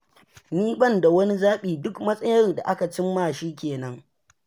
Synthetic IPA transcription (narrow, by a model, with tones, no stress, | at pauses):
niː˦bɐ˦˨nda˨wɐ˦ni˦zaː˦ɓiː˨dʊ˦kmɐ˦sʼɐ˦jɐ˦rda˨ʔa˦ka˨t͡ʃɪ˦mːaː˦˨ʃiː˦kʲeː˨nɐ˦ŋ